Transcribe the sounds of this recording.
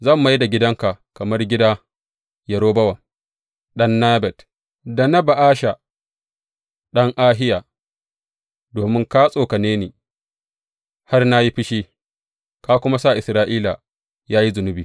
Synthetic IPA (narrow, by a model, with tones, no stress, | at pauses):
zɐ˦˨mːa˦jda˨ɡʲɪ˦dɐ˦ŋka˨kɐ˨mɐ˦rɡʲɪ˦da˦ | jɐ˨ɾoː˦bɐ˦wa˨ | ɗɐ˦nːaː˦bɛ˨t | da˨na˦ba˨ʔaː˦ʃa˨ | ɗɐ˦ŋʔaː˦ɦɪ˦jaː˨ | doː˨mɪ˦ŋka˦sʼoː˨kɐ˨neː˦neː˨ | ha˦rna˦ji˦ɸɪ˦ʃiː˦ | ka˦kʷʊ˦ma˦sa˦˨ʔɪ˨sɾaː˦ʔiː˦la˨ | jaː˦ji˦zʊ˨nʊ˦biː˨